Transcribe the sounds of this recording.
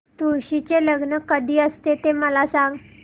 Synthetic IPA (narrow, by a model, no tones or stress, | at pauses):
t̪uɾɕit͡ɕeləɡnəkəd̪ʱiːəst̪et̪eməlasãŋɡ